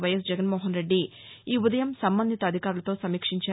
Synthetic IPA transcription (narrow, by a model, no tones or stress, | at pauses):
ʋɐjɐsd͡ʒɛɡɐnmoːɦɐnɾe̞ɖːi | iːud̪ɐjɐmsɐmbɐnd̪ʱit̪ɐd̪ʱikaːɾulɐt̪oːsɐmiːkʂiɲt͡ʃaː